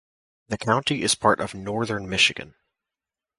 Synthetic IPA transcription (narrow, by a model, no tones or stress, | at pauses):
ðɨkʰãʊ̃ntiʔɨz̥pʰɑɹɾʔʌvnɔɹðə̃˞nmɪʃɨɡɨ̰̃n